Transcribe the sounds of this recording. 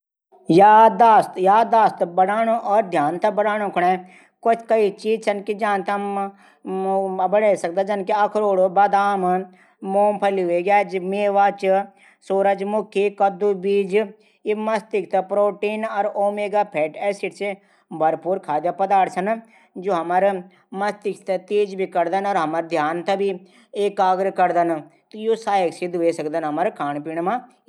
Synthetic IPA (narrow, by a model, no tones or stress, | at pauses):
jaːd̪aːst̪jaːd̪aːst̪bɐɽaːnoʔɔːɾd̪ʱjaːnt̪ɐbɐɽaːɽ̃õkʰʊɳa | kʊt͡ʃʰkɐit͡ʃiːd͡ʒsʰɐnkid͡ʒaːnt̪ɐ | bɐɽeːsɐk̚d̪ad͡ʒɐnkiɐkʰɾoːɽobɐd̪aːm | moːmpʰɐliɦʊeɡjaːd͡ʒmeːʋaːt͡ʃ | soːɾəd͡ʒmʊkʰikɐd̪ubiːd͡ʒ | imɐst̪ɪk̚t̪ɐpɾoːʈiːnɔɾoːmeːɡaːpʰɛːʈɛːsiʈse | bʱɐɾpuːɾkʰaːd͡ʒapɐd̪aːʈsɐn | d͡ʒoːɦɐmɐɾ | mɐst̪ɪkt̪ɐt̪eːd͡ʒbʱikɐɾd̪ənɔːɾɦɐmɐɾd̪ʱjaːnt̪ɐbʱi | eːkaːɡɾəkɐɾd̪ənt̪ojoːsaːjəksid̪uesɐəkd̪ənɦɐməɾkʰaːɳpiɳmã